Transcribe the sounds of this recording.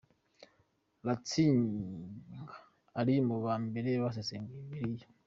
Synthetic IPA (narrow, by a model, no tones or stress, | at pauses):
lat͡siːŋ | ɡḁː | ɾimuβaːmbe̞ɾeβas̬eseːŋɡiβiɾija